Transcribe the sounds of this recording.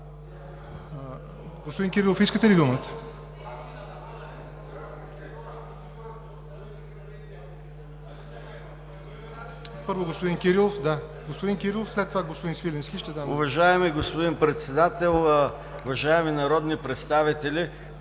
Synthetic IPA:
ɡospod̪inkʲiɾilˠofiskət̪ɛlid̪umət̪ə̥ | pɤɾvoɡospod̪inkʲiɾilˠofd̪a | ɡospod̪inkʲiɾilˠofslɛt̪ːovaɡospod̪insvilʲɛnskʲiʃt̪ɛd̪amʊvɐʒaɛmiɡospod̪inpɾɛt̪sɛd̪at̪ɛlˠ | ʊvɐʒaɛminɐɾɔd̪nipɾɛt̪st̪avit̪ɛlʲi

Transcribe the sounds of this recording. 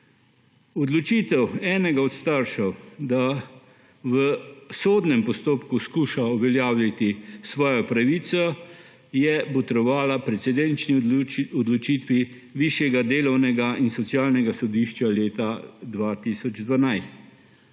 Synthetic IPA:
ɔd̪lɔt͡ʃiːt̪ɛwɛːnɛɡaɔt̪st̪aɾʃɛwd̪a | ʋəsoːd̪nɛmpɔst̪oːpkuskuːʃauʋɛljaːwlʲat̪isʋɔːjɔpɾaʋiːsɔ | jɛbɔt̪ɾɔʋaːlapɾɛtsɛd̪ɛnt͡ʃniɔd̪lɔt͡ʃiːt̪ʋi | ʋiːʃjɛɡad̪eːlɔwnɛɡainsɔt̪sjaːlnɛɡasɔd̪iːʃt͡ʃaleːt̪ad̪ʋaːt̪isɔd͡ʒd̪ʋanajst̪

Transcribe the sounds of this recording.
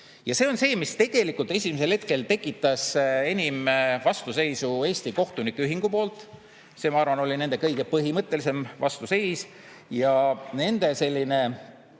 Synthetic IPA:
jɑseo̞nse̞ːmist̪e̞ɡ̥e̞likˑult̪ˑe̞s̬ʲimes̬e̞lhe̞t̪̚ke̞lt̪e̞kːˑit̪ːˑɑse̞nʲimvɑst̪use̞jsue̞ːsʲt̪iko̞ht̪unikːeyɦiŋɡ̥upo̞ːlt̪ˑ | seːmɑɑrvɑno̞lʲine̞nd̪̥e̞kɤjɡ̥e̞pɤɦimɤt̪ˑːe̞lise̞mvɑst̪use̞js | jɑne̞nd̪̥e̞se̞lʲːine̞

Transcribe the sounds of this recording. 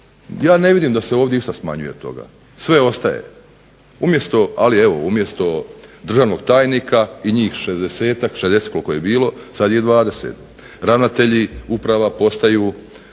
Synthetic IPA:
jaːne̞ʋid̪iːmd̪aseo̞ːʋd̪ʲjeiʃt̪asma̰ɲuje̞t̪o̞̰ɡa̰ | sʋe̞o̞st̪aje̞̰ | umje̞st̪o̞alie̞ʋo̞̰umje̞st̪o̞d̪r̩ʒaʋno̞ɡt̪aːjnikʰaiɲiːxʃezd̪e̞se̞ːt̪akʃezd̪eset̪kolkojebiːlo̞sad̪je̞d̪ʋaːd̪e̞sḛt̪ | ɾaʋnat̪e̞ʎiupɾaʋapo̞st̪ajuː

